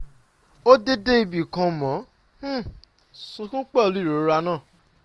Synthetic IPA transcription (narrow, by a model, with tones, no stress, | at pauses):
o˦de˦de˦i˧bi˨kã˧mɔ̃˨˦ | sũ˧kũ˦k͡pɛ˦o˧lu˨˦i˦˨ɾo˨˦ɾa˧nãː˦˨